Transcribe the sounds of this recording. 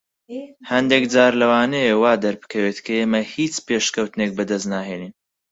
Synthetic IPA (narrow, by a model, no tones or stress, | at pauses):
hɐnd̪ekd͡zaːɾlɐwaːnejewaːd̪ɐɾbɨ̥kʰɐweːt̪kʰɐeːmɐhiːt͡ʃpeːʃkɐwt̪ɨnek̚bɐd̪ɐsnaːɦeːniːn